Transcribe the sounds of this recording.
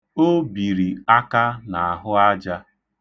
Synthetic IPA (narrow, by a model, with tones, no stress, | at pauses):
o˦bi˨ɾi˨a˦ka˦na˨a˨ɦʊ˦a˦d͡ʒa˦